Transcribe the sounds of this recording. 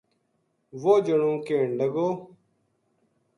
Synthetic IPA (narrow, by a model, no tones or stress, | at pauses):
ʋoːd͡ʒəɳũːkeːɳləɡoː